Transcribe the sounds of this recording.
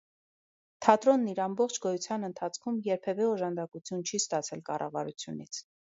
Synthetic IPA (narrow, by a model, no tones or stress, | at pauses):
t̪ʰɑt̪ɾɔnːiɾɑmbɔχt͡ʃʰɡɔjut͡sʰjɑnənt̪ʰɑt͡sʰkʰumjɛɾpʰɛvɛɔʒɑnd̪ɑkut͡sʰjunt͡ʃʰist̪ɑt͡sʰɛlkɑrʔɑ̰vɑ̰ɾut͡sʰjunit͡sʰ